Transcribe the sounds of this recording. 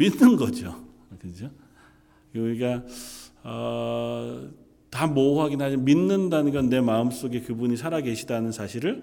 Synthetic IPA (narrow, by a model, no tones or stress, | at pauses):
minːɯnɡʌd͡ʑo | kɯd͡ʑo | uɾiɡa | ʌ | tamouɦaɡinɦad͡ʑiminːɯndanɯnɡʌnːe̞maɯms͈oɡe̞kɯbuɲisʰaɾaɡe̞ɕʰidanɯnsʰaɕʰiɾɯɭ